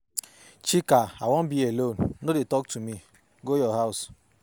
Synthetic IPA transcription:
t͡ʃikaawɔ̃n̩bielonnodetɔk̚tumi | ɡojɔɦaʊs

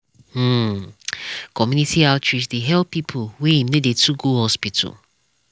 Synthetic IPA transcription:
m̩ | kʰɔmjunitialt͡ʃɹisdeɦɛlppːipʰolweĩmnedetʰuɡohɔspitʰɔ̰l

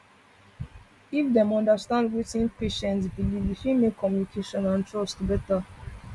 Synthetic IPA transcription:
ifd̪ɛ̃mɔ̃ndəstãndwitĩnpeʃɛ̃nsbilibhimekʰːɔ̃mjunikʰeʃɔ̃nãntʰɹɔstbɛta

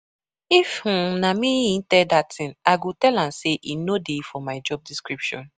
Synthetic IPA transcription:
if̩namĩĩntɛdatĩnaɡotɛlãmseʔinodefɔmaɪd͡ʒɔb̚diskɹipʃɔ̰̃n

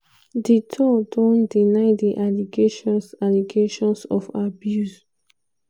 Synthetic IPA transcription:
ditʰɔdɔ̃ndinaɪdiʔaliɡeʃɔ̃nsaliɡeʃɔ̃nsɔ̰fabjus

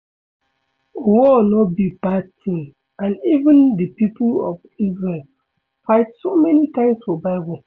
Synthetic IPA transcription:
wɔnɔt̚bibatʰĩn | ãnivə̃ndəpipʰulɔ̰vizɹel | faɪtsomɛnitãɪ̃msfɔbaɪwɔ̃

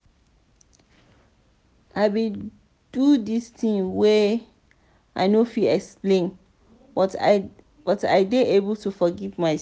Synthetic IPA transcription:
ʔaɪbe | d̥udistĩŋwɛ | ʔaɪnofilɛksplẽn | b̥ɔta̰ɪdeʔebəltʰufɔɡivmaɪ

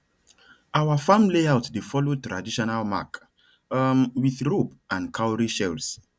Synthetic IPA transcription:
awafãmleawtdefɔlotɹadiʃɔnalma̰k | mwiθɹop | ãnkʰawɹiʃɛls

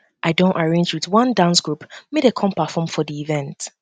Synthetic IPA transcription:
ʔaɪdõntaɹẽnd͡ʒwiðwʌ̃ndãnsɡ̥ɹupmedekʰɔ̃mpafɔ̃mfɔðiivɛ̃nt

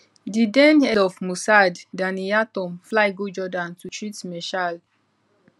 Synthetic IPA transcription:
didɛ̃nɛlɔfmusadːãnijatɔ̃mflajɡod͡ʒɔdãntut͡ʃɹitmɛʃal

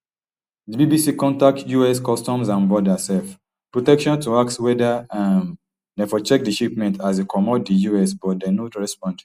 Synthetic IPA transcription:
dibibisikɔ̃ntak̚tjuɛskɔstɔ̃msãnbɔdasɛlf | pɹotɛkʃɔ̃ntuakswɛdaãm | dɛ̃fɔt͡ʃɛk̚diʃipmɛ̃ntʰasekʰɔmɔt̚dijuɛsbɔt̚dɛ̃noɹɛspɔ̃nd

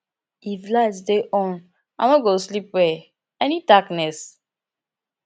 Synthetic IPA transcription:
iflasdeʔɔ̃n | anɔ̃ɡoslip̚wɛ | ɛnidaknɛs

